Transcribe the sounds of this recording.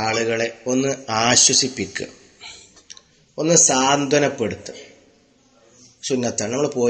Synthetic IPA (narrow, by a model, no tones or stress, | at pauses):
aːɭuɣɐɭe̞o̞nːɨaːɕwɐsipːikʲːṵ | o̞nːɨsaːnd̪ʱɐnɐpːe̞ɽut̪ːɨ | sunːɐt̪ːaːɳɨnɐmːɐɭepo̞ː